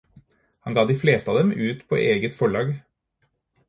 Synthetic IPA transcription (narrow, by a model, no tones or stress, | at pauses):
hɑnɡɑːd̪iːfleːst̪əɑːd̪ɛmʉːt̪pʰo̰ːʔeːɡət̪fɔɭɑːɡ